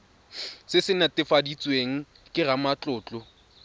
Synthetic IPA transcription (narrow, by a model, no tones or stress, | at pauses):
sɪsɪnatʼɪfadit͡sʼweŋ̩ | kʼɪɣamat͡ɬʼʊːt͡ɬʼɔ